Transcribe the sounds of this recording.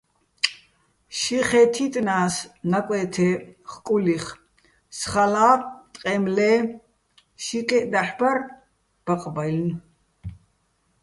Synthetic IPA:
ʃiχɛt̪ʰit̪ʼnaːsnakʷʼɛːt̪ʰɛχkʼuliχ | sχalaːt̪ʼqʼɛmlɛː | ʃikʼɛd̪aħbar | b̥aqʼbajln

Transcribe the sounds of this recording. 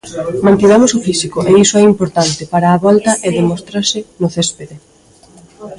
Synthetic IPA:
mãnt̪iɣamʊsʊfisikoʔeisoɛimpoɾt̪ant̪ɪpaɾaːβɔlt̪ɐʔeðemost̪ɾasɪnʊθespeðe

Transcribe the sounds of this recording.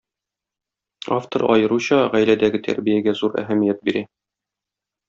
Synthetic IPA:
aft̪oɾɒ̰jɤ̆ɾuɕɑʁæjlæd̪æɡɘt̪ʰæ̰ɾbijæɡæzuɾæ̰ɦæmijæt̪̚biɾæ

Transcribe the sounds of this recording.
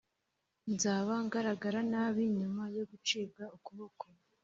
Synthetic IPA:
nzaːβaŋɡaɾaɡaɾanaβiɲumajo̞ɡut͡ʃibɡaukuβoko

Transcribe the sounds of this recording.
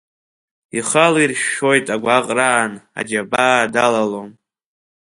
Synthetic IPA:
iχalirʃo̞jtʼaɡʷaqʼraːna̰d͡ʒabaːdalalon

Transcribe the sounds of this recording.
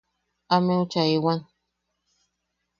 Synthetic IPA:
amẽut͡ʃaewan

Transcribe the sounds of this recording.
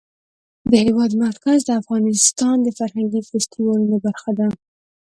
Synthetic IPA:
d̪əhɪwɑd̪maɾkazd̪əafɣɑnɪst̪ɑnd̪əfaɾhaŋɡifast̪iwɑlunobaɾxad̪a

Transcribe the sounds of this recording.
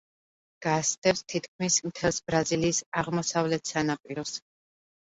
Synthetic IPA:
ɡ̥asd̪ɛpst̪ʰit̪ʰkʰmismt̪ʰɛlˠsbɾaziliːsaʁmɔsavlɛt̪ʰsanapʼiɾɔs

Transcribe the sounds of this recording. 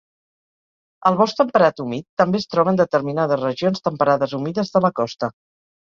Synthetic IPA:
əlˠβɔst̪ɾəmpəɾat̪umit̪ːəmbeːst̪ɾɔβənd̪ət̪əɾminaðəzrəʒionst̪əmpəɾaðəzumiðəzðələkɔst̪ə

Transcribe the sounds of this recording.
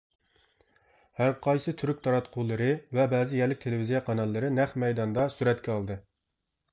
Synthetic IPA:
hæɾqʰɑjsɨt̪ʰyɾyk̚ʲt̪ʰɑɾɑt̪qʰulˠɨɾɨvɛbɛːzɪjɛɾlːɪk̚ʲt̪ʰelevizijɑqʰɑnɑlˠːɨɾɨnæχmɛjd̪ɑnd̪ɑsuɾɛt̪kʲɛɑlˠd̪ɨ

